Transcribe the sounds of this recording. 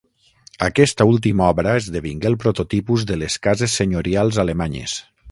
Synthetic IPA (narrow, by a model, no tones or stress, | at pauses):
əkɛst̪əulˠt̪imɔβɾəezðəβiŋɡelˠpɾot̪ot̪ipuzðəleskazesːeɲoɾialˠzalemaɲḛs